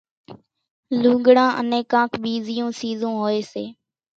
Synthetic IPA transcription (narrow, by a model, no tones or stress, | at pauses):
lũːɡɽãːʔə̰nẽːkãːkʰɓiːzɪjõːsiːzõːɦoːeːseː